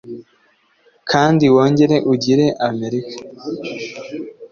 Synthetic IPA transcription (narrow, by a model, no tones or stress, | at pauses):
kʰaːndiwo̞ːɲɟe̞ɾe̞ʔuɟiɾe̞ʔame̞ɾikḁ